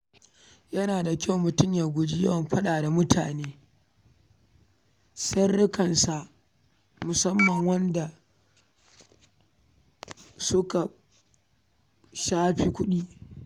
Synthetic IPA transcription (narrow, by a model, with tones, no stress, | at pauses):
jɐ˦naː˨da˨kʲa˦wmʊ˨tʊ˦mja˨ɡʷʊ˨d͡ʒi˦jɐ̰˦wɐ˨mɸɐ˦ɗaː˨da˨mʊ˦tʰaː˨neː˦ | sɐ˦ɽʊ˦kɐ˨nsa˨ʔ | mʊ˨sɐ˦mːɐ˨ŋwɐ˦nda˨ | sʊ˦ka˨ | ʃaː˦ɸi˦kʷʊ˦ɗiː˦